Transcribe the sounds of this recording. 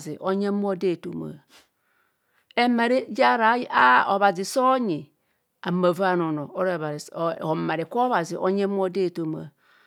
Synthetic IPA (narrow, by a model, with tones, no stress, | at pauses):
zi˨ʔo˦ɲe˦m˦o˦de˦˨to̰˨ma̰˨ | e˦ma˨ɾi˦d͡ʒa˦ɾa˨˦a˦o˨βa˨zi˨so˦ɲi˨ | a˨ma˨va˦no˨no˨o˦ɾβa˨ɾo˨ma˨ɾi˨ko˦βa˨zi˨ʔo̰˦ɲe˦m˦o˦de˦˨to˦ma̰˨